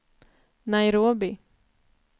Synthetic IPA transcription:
najɾuɔbi

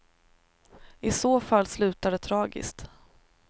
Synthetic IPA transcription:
ɪsoːfalːslʉ̟ːt̪ad̪ət̪ʰɾɑːɡɪ̰st̪

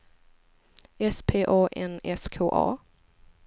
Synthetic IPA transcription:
ɛspʰeːʔoːʔɛ̰nɛskʰoːʔɑ̰ː

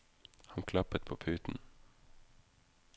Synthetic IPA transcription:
hɑŋkʰlɑpət̪̚pʰoːpʰʉːt̪n̩

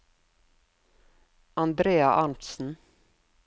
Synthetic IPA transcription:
ɑnd̪ɾeːɑʔɑnt̪sn̩

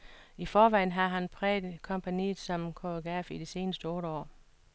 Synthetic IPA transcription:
ifɒːʋɑ̈ɪ̰n̩ɦɑ̈ɦænpʰʁɛ̰ːdkʰɒ̽mpʰænḭːð̩ˠsɒ̽mkʰoɡ̥æfid̥ise̝ːnəsd̥əɔ̽ːɾəɒ̰ː

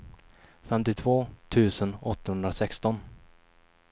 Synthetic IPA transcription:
fɛmt̪ɪt̪ʰvoːt̪ʰʉ̟ːsənɔt̪ːahɵnd̪ɾasɛkst̪ɔn

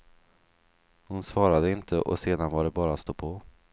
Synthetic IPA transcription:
hʊnsvɑːɾad̪əɪnt̪ʰəʔɔ̰seːd̪anvaɖɛbɑːɾast̪opʰo

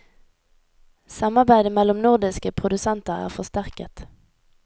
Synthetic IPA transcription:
sɑmɑʁbæɪd̪əmɛlɔmnʊʁd̪ɪskəpʰʁʊd̪ʉsɛnt̪əʁæ̰ːʁfɔst̪æʁkət̪

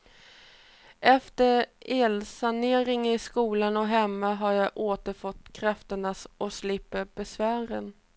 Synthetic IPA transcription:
ʔɛft̪əɾeːlsaneːɾɪŋɪskuːlanɔɦɛmːaɦaɾjaʔoːt̪əɾfɔt̪ːkʰɾaft̪əɳasɔslɪpːəbɛsvæːɾən

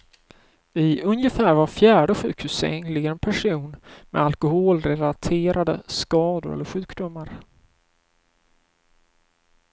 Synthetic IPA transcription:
ɪɵnjəfæːɾvaɾfjæːɖəɧʉ̟ːkhʉ̟ːsɛ̰ŋlɪɡənpʰæʂuːnmɛ̰alkʊɦoːlɾɛlat̪ʰeːɾad̪əskɑːd̪ʊ̰ɾɛ̰lːəɾɧʉ̟ːkd̪ʊmːaɾ

